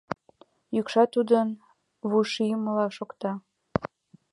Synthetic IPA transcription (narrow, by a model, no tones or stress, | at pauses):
jykʃɑt̪ud̪ən | βuʃiməlɑʃokt̪ɑ